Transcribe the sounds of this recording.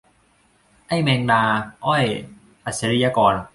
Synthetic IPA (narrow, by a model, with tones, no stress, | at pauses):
ʔa˥˩jmɛː˧ŋnaː˧ʔɔ˥˩j | ʔa˨˩se˧˦ɾi˦˧jaː˧kɔː˧n